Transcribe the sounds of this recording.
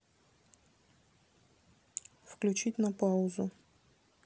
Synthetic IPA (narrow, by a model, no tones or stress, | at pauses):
fklʲʉt͡ɕitʲnɐpaʊzʊ